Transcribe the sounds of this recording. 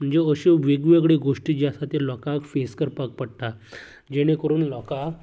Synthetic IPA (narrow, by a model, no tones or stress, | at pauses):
m̤əɳd͡zeəɕeʋeɡʋeɡɽeɡoʂʈiːd͡ʑasat̪elɔkakfeskəɾpak̚pəɽt̪a | d͡ʑeɽ̃ekəɾuːnlɔka